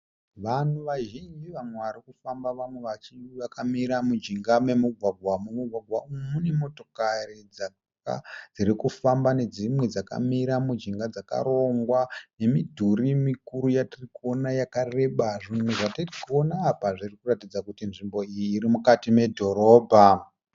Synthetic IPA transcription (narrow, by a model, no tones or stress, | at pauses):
ʋan̤uʋaʒind͡ʒiʋamwe̞ʋaɾikufambaʋamweʋat͡ʃiʋakamiɾamud͡ʒiŋɡame̞muɡʱwaɡʱwamumuɡʱwaɡʱwaumune̞mo̞to̞karid͡za | ka̰d͡zirikufambane̞d͡zimwed͡zaka̰miɾamud͡ʒiŋɡad͡zaka̰ɾo̞ŋɡwane̞midʱuɾimikuɾujatirikuonajakare̞ɓaʐimweʐatirikuonaːpaʐirikuratid͡zakutinʐimbo̞ijiːɾimukatime̞dʱo̞ɾo̞ːbʱa